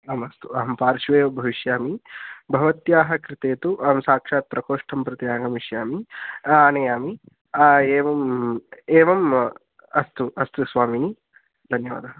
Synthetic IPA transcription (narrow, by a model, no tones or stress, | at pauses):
ɐmɐst̪uɐɦɐmpaːɾʃʋeːʋɐbʱɐʋiʃjaːmibʱɐʋɐt̪jaːɦɐkɾɪt̪eːt̪uʔɐɦɐmsaːkʂaːt̪̚pɾɐkoːʂʈʰɐmpɾɐt̪jaːŋɡɐmiʃjaːmiɐnɐjaːmi | eːʋɐm | eːʋɐm | ɐst̪uʔɐst̪usʋaːmini | d̪ʱɐnjɐʋa̰ːd̪ɐɦɐ